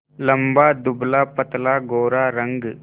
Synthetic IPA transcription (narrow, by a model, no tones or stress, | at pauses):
lɐmbaːd̪ublaːpɐt̪ɐlaːɡoːɾaːɾɐŋɡ